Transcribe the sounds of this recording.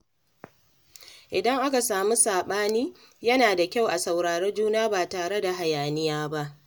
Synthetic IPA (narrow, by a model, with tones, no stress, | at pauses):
ʔɪ˨dɐ˦ŋʔa˦ka˨saː˨mu˦saː˨ɓaː˦niː˦ | jɐ˦naː˨da˨kʲa˦˨wʔa˨sa˨wɽaː˨ɽɛ˦d͡ʒuː˦naː˦baː˨taː˨ɽe˦da˨ɦa˨jaː˨nɪ˦jaː˦ba˦ʔ